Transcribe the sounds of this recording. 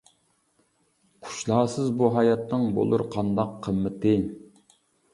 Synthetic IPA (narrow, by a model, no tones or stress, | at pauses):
qʰʊ̥ʃlˠɑːsɨzbuɦɑjɑt̪nɨŋbo̰lˠṵɾqʰɑnd̪ɑqʰːəmːɪt̪ɪ